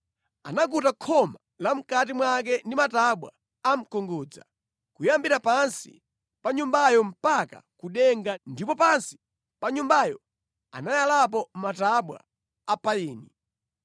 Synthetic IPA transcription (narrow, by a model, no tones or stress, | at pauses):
a̰nak̬utakʰɔma | lam̩kat̬imwak̬ɛndimataɓwa̰ | am̩kɔŋɡuːd͡za̰ | kujambiɾapansḭ | paɲumbajɔm̩paka̰kuɗɛŋɡandipɔpansi̥ | paɲumbajɔ | a̰najalapɔmataɓwa̰ː | pajiːni